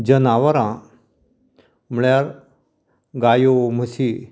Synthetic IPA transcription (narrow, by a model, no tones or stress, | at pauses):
d͡ʑənaʋəɾã | m̤ɭjaɾ | ɡajom̤əsi